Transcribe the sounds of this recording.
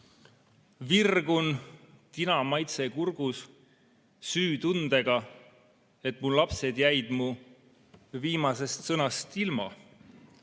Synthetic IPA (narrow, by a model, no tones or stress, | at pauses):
virɡ̥un | t̪inɑmɑjt̪se̞kurɡ̥us | syːt̪und̪̥e̞ɡ̥ɑ | e̞t̪ːˑmullɑpse̞d̪jæjd̪̥mu | viːmɑse̞st̪sɤnɑst̪ilmɑ